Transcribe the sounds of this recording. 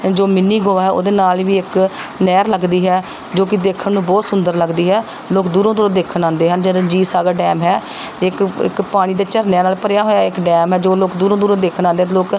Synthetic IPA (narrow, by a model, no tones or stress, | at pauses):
d͡ʒoːmɪnːiːɡoːʋaːɦɛːo̰ːd̪eːnaːlʋiːɪknɛːɾləɡd̪iːɦɛː | d͡ʒoːkɪd̪eːkʰənnũːbɔːt̪sʊnd̪əɾləɡd̪iːɦɛː | loːkd̪uːɾõːd̪uːɾõːd̪eːkʰənãːnd̪eːɦənd͡ʒəɾə̃d͡ʒiːsaːɡaːɖɛːmɦɛːɪkɪ̰kpaːɽ̃iːd̪eːt͡ʃəɾnjaːnaːlpəɾjaːɦoːjaːɪkɖɛːmɦɛːd͡ʒoːloːkd̪uːɾõːd̪uːɾõːd̪eːkʰənãːnd̪eːt̪̬ːloːk